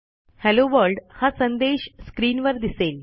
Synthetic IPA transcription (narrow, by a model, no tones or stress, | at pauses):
hɛloʋəɾlɖhãsənd̪eɕskɾiːnʋəɾd̪isel